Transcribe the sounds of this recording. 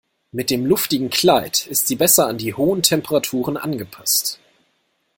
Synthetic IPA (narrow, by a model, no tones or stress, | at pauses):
mɪt̚d̥eːmlʊftɪɡŋ̩kl̥aɪtɪstz̥iːbɛsɐandiːhoːəntʰɛmpəʁatʰuːʁ̞ənʔa̰nɡəpʰḁst